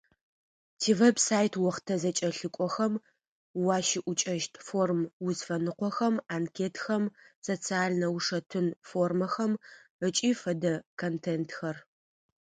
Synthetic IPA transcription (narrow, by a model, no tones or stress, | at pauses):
tʰiːvebsaːjtʰwɔχtʰɐzɐt͡ʃʼɐɬɨkʷʼɔxɐm | wɑːʃɪʔʷʊt͡ʃʼɐʃtʰformwʊzfɐnɨqʷɔxɐmankʰeːtʰxɐmsot͡sʰiaːlnɐwʂɐtʰɨnformɐxɐmət͡ʃʼiːfɐdɐkʰontʰeːntʰxɐr